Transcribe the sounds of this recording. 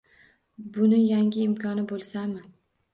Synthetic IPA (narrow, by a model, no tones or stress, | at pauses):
bʊnɪjaŋʲɪːmkʰɒnɪbolˠsamɪ